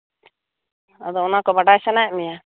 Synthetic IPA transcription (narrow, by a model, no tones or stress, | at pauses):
ad̪ɔɔnakɔbaɽasanajaʔmija